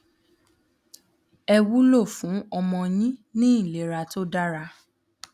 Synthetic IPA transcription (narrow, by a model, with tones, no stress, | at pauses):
ɛ˧wu˦lo˦˨fũ˨˦ɔ˧mɔ̃˧j̃ĩ˦nĩ˦ĩ˦˨le˨ɾa˧to˦da˦ɾa˧